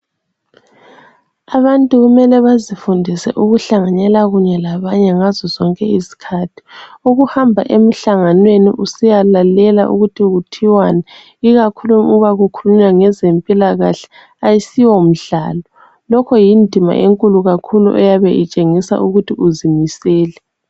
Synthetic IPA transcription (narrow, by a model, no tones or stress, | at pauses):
aβantʼuɣumɛlɛβazifundʱisɛ̰ʔuɣuɬaŋaɲɛlaɣuɲɛlaβaɲɛŋazɔzɔŋkʼɛisi̥kʰatʰi̥uɣuhambʱa̰ʔem̩ɬaŋanwenḭʔusijalalɛla̰ʔṵɣutʰiɣutʰiwana | iɣakʰuluuβaɣukʰuluɲwaŋɛzempʼilaɣaɬɛ̥ | ajisiwɔm̩ɮa̰ːlɔ | lɔkʰɔjindʱima̰ʔeŋkʼuluɣakʰulṵʔɛjaβɛʔit͡ʃʼeŋisa̰ʔuɣutʰiʔuzimisɛːlɛ